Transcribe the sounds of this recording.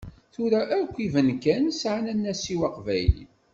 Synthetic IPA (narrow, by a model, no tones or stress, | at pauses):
θʊɾæʔækʷːivənkænsʕanænːæsiwɑqvæ̰jlḭ